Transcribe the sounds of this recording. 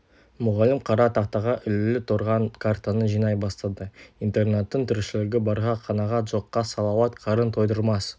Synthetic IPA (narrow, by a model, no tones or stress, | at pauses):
mʊʁɑlɪmqʰɑɾɑt̪ʰɑqt̪ɑʁɑʔʏlɪlɪt̪ʰoɾʁɑnkʰart̪anəʒijnɑjbɑst̪ɑd̪əint̪e̞rnet̪ːəɴt̪ʰʏɾʃɪlɪɡʲɪbɑɾʁɑqʰɑnɑʁɑt̪ʒo̞qːɑsɑlˠɑwɑt̪qʰɑɾənt̪ʰo̞jd̪əɾmɑs